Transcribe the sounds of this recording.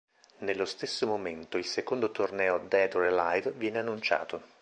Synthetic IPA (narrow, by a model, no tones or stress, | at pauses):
nelːost̪esːomoment̪oilsekond̪ot̪ornɛːod̪ɛd̪oɾelajd̪vjɛːneanːunt͡ʃa̰ːt̪o